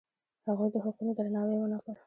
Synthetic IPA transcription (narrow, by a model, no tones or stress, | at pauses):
haɣujd̪əɦʊqunod̪ɾanɑwewənakəɽ